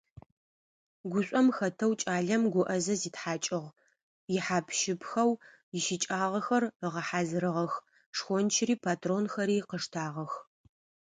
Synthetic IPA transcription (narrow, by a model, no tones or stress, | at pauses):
ɡʷʊɕʷʼɔmxɐtʰɐwt͡ʃʼaːɮɐmɡʷʊʔɐzɐziːtħaːt͡ʃʼɪʁ | jɪħaːpʰʃɪpʰxɐw | jɪʃɪt͡ʃʼaːʁɐxɐrəʁɐħaːzɨɾɨʁɐx | ʂxʷɔnt͡ʃʰɪriːpʰaːtʰroːnxɐɾiːqəʂtʰaːʁɐx